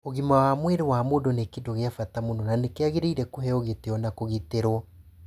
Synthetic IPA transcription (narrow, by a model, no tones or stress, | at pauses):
oɣimawamweɾewamoːdonekedoɣeafatamonɔnanekeaɣeɾeiɾɛkoɦɛoɣeteɔnakoɣeteɾwɔ